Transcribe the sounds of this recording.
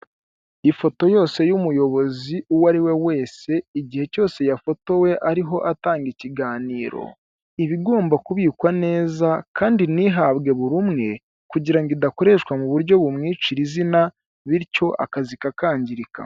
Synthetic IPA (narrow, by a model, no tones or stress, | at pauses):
ifo̞to̞jo̞ːse̞jumujo̞βo̞ziuwaɾiwe̞we̞ːse̞iɟihe̞co̞ːse̞jafo̞to̞we̞ʔaɾiɦo̞ʔataːŋɡiciɡaːniːɾo̞̰ | iβiɡo̞ːmbakuβiːkwane̞ːzakʰaːndiniɦaβɡe̞βuɾumŋe̞ | kuɟiɾaŋɡidako̞ɾe̞ʃkwamuβuɾɟo̞βumŋiːt͡ʃiɾizina | βiɾco̞ʔa̰kazikakaːɲɟiɾika̰